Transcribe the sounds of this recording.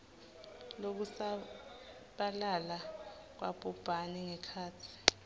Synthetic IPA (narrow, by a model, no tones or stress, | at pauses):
lok̬usa | ɓalala | k̬wʔa̰b̥ʱʼub̥ʱaniŋɛkʰaːtʰi̥